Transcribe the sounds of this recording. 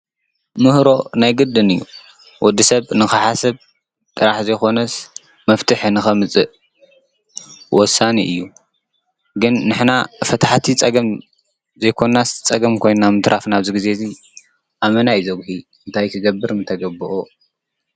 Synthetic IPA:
mɨhɾo̞najɡɨd̪ːɨnɨjːṵ | wʔɔd̪ːisɐβnɨxɨħasɐβ | t̪ʼɨɾaħzɐjxo̞nɐs | mɐft̪ʰɨħnɨxɐmɨt͡sʼɨʔ | wɔsaniʔɨjːu | ɡɨnːɨħnafɐt̪ʰaħt̪ʰit͡sʼɐɡɐm | zɐjkʰo̞nːast͡sʼɐɡɐmkʰo̞jnamɨt̪ʰɾʔafnaβzɨɡize̞zi | ʔamɐnajzɐɡhi | ɨnt̪ʰajkʰɨɡɐbːɨɾnɨt̪ʰɐɡɐbɨʔu

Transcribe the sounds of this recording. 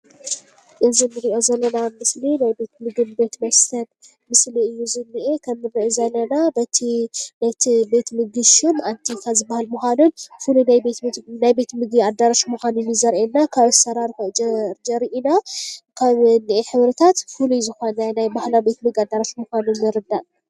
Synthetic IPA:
ʔɨzinɨɾiʔo̞zɐlːɐnamɨslinajbe̞t̪mɨɡɨnbe̞t̪mɐst̪ʰɐn | mɨsliɨjːuzɨnːiʔekʰɐmːɨɾɨʔzɐlːɐnabɐt̪ʰibet̪ʰibe̞t̪mɨɡɨʃunant̪ʰikʰazɨbːahalmuxʷanunfulunajbe̞t̪najbe̞t̪mɨɡiad̪ːaɾaʃmuxanunːɨzɐɾʔenːakʰaβɨsɐɾaɾfod͡ʒɾd͡ʒɐɾiʔinakʰaβnːiʔeħɨβɾɨt̪ʰat̪fuluzɨxonɐnajbahlawbe̞t̪mɨɡad̪ːaɾaʃmuxanunzɨɾɨd̪ːaʔ

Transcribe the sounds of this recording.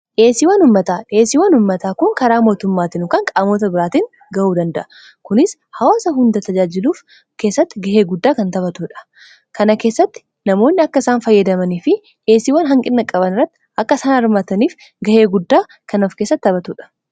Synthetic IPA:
ᶑe̞ːsiːwɐnʊmːɐt̪aːᶑe̞ːsiːwɐnʊmːɐt̪aːkʊŋkɐɾaːmo̞ːt̪ʊmːaːt̪ɪnʊkɐŋkʼaːmoːt̪̬ɐbɪɾaːt̪iːŋ | ɡɐʔuːd̪ɐnd̪ɐʔɐ | kʊnɪshɐwaːsɐɦʊnd̪ɐt̪ɐd͡ʒaːd͡ʒɪluːf | ke̞ːsːɐt̪ːɪɡɐheːɡʊd̪ːaːkɐnt̪ɐbɐt̪uːᶑɐ̥ | kɐnɐke̞ːsːɐt̪ːɪ̥ | nɐmo̞ːnːɪɐkːɐɪsaːnfɐjːɐd̪ɐmɐniːfɪ | ᶑe̞ːsiːwɐnɦɐŋkʼɪnːɐkʼɐbɐnɪrːɐt̪ːɪʔɐkːɐsɐnaɐɾmaːt̪ɐniːf | ɡɐhe̞ːɡʊd̪ːaː | kɐnɐfkeːsːɐt̪ːɐbɐt̪uːᶑɐ̥

